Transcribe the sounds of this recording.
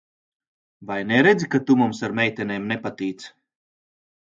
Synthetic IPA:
vajnɛɾed̪zikat̪umumsaɾmʲɛjt̪ʲɛneːmnɛpat̪iːt̪s

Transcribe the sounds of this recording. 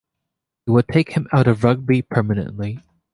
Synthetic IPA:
hiwəd̚tʰeɪkhɨ̃maʊɾʌvɹʌɡ̚bipʰɜ˞mɨnɨ̰̃nʔli

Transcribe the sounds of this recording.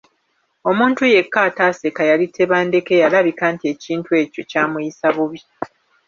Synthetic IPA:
o̞muːntuje̞kːaːtaːse̞kajalitʰe̞βaːnde̞ke̞jalaβikaːntie̞ciːntue̞ːco̞caːmujisaβuβi

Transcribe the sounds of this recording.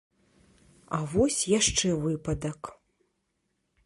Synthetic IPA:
ɐvɔsʲjaʂt͡ʂɛvɨpɐd̪ɐk

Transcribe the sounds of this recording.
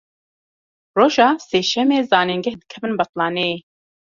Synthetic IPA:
roːʒɑːseːʃɛmeːzɑːniŋɡɛhd̪ɨkʰɛbɨnbɛqlɑːne

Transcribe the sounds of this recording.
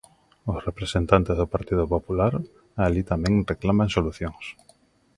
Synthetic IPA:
ʊsrepɾesent̪ant̪ezðʊpaɾt̪iðʊpopulaɾ | alit̪amɛ̃ŋreklamaŋsoluθjoŋs

